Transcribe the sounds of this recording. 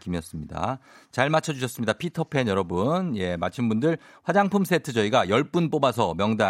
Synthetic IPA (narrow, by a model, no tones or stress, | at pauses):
kimiʌs͈ɯmɲida̰t͡ɕaɭmat͡ɕʰʌd͡ʑuɕʰʌs͈ɯmɲidapʰitʰʌpʰe̞njʌɾʌbunje̞mat͡ɕʰinbundɯɭ | ɸwad͡ʑaŋpʰumsʰe̞tʰɯd͡ʑʌiɡajʌɭp͈unp͈obasʰʌmjʌŋda